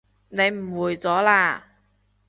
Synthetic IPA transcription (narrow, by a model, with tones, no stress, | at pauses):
ne˨˧jm̩˨˩wuː˨˩jt͡sɔː˨˥laː˧